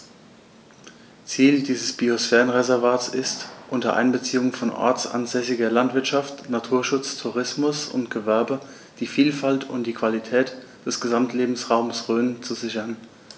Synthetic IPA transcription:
t͡siːldiːzəsb̥iosfɛːʁənʁezɛɐvaːtt͡sɪstʔʊntɐʔa̰ɪnbət͡siːʊŋəfɔnʔɔ̰ɐt͡sa̰nzɛsɪɡɐlantv̥ɪɐtʃaftnatʰuːɐʃʊt͡stʰuʁɪsmʊsʊ̰ntɡ̥əvɛɐbə | d̥iːfiːlfaltʊntd̥iːkv̥alitʰɛːt | d̥ɛsɡ̥əzamtʰleːbm̩sʁaʊmsʁøːnt͡suzɪçɐn

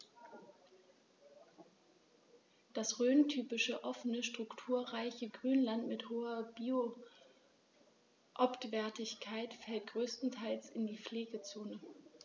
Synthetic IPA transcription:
d̥asʁøːntʰyːpɪʃəʔɔfənəʃtʁ̥ʊktʰuːɐʁaɪçəɡʁyːnlantmɪthoːɐbiːo | ʔaptv̥ɛɐtɪçkʰaɪtfɛlt̚ɡ̥ʁøːstn̩tʰaɪlsɪndiːfleːɡət͡soːnə

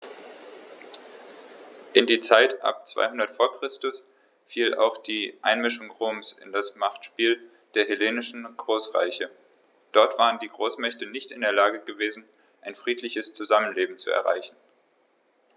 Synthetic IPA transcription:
ʔɪndiːt͡saɪtʔa̰p̚t͡sv̥a̰ɪhʊndɐtfoːɐkʁ̥ɪstʊs | fiːlʔa̰ʊxd̥iːʔa̰ɪnmɪʃʊŋʁoːmsɪ̰ndasmaχtʃpiːl | d̥eːɐɦeleːnɪʃn̩ɡ̥ʁoːsʁa̰ɪçə | d̥ɔɐtv̥aːʁəndiːɡʁoːsmɛçtənɪçtɪndeːɐlaːɡəɡəveːzn̩ | ʔaɪnfʁ̥iːtlɪçəst͡suzamənleːbm̩t͡suɛ̰ɐʁa̰ɪçn̩

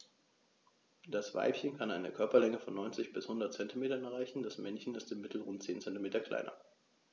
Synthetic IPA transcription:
d̥asv̥a̰ɪpçənkʰanaɪnəkʰœɐpɐlɛŋəfɔnːɔʏnt͡sɪçb̥ɪshʊndɐt̚t͡sɛntimeːtɐnɛʁaɪçn̩dasmɛnçən̩ɪstɪmːɪtʰl̩ʁʊntt͡seːnt͡sɛntimeːtɐkʰl̥a̰ɪnɐ̰

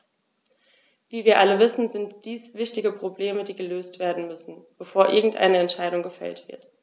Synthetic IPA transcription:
viːviːɐʔaləvɪsn̩zɪntd̥iːsv̥ɪçtɪɡəpʁ̥obleːmədiːɡəløːstv̥eːɐdn̩mʏsn̩b̥əfoːɐʔɪɐɡŋ̩tʔa̰ɪnəɛntʃaɪɾʊŋɡəfɛ̰ltv̥ɪ̰ɐt

